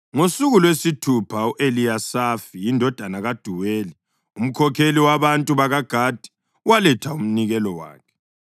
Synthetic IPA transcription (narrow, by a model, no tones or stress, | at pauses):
ŋosuɣulwesitʰupʰauʔeliasafijindʱɔd̥ʱanaɣad̥ʱuweːli | um̩kʰɔkʰeliwaβantʼuβaɣaɡ̥ʱaːd̥ʱi̥ | walɛtʰaum̩niɣɛlɔwa̰ːkʰɛ̥